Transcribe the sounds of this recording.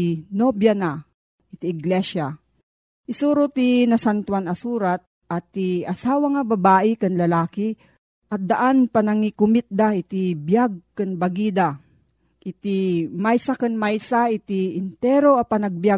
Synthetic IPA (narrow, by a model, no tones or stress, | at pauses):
nobjana | ʔɪt̪iɪɡlɛʃa | ʔɪsuːɾʊt̪inɐsant̪wanɐsuːɾat̪̚ | ʔɐt̪ːiɐsaːwaŋababaːʔɪkanlɐlaːkɪ | ʔɐt̪̚d̪aʔanpanaŋikʊmɪt̪̚d̪aʔit̪ibjaɡ̚kanbɐɡid̪a | ʔɪt̪imajsakanmajsaɪt̪iɪnt̪ɛɾoapanɐɡ̚bja